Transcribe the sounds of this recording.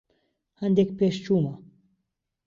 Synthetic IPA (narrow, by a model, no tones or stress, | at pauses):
hand̪ek̚peʃt͡ʃumə